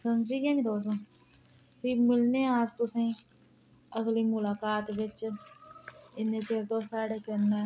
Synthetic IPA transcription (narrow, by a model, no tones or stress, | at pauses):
səmd͡ʒiːɡãːnĩd̪oːsõ | piːmʊlneːaːst̪ʊsẽː | əsliːmʊlaːkaːt̪ʋɪt͡ʃ | ɪnːẽːt͡ʃeːɾt̪õːsaːɽeːkeneː